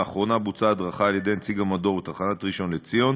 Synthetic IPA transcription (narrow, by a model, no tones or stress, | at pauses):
aχʁo̞nabut͡saːd̪ʁaχaːljed̪e̞jnt͡siɡamado̞ʁbet̪aχanatʁiʃo̞nlet͡sijo̞n